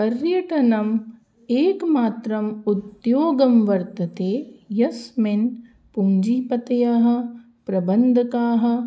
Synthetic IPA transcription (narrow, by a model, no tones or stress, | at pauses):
pɐɾjɐʈɐnɐm | eːkmaːt̪ɾɐmut̪joːɡɐmʋɐɾt̪ɐt̪eːjɐsmen | puɲd͡ʒiːpɐt̪ɐjaːɦɐ̆ | pɾɐbɐnd̪ʱɐkaːɦɐ̆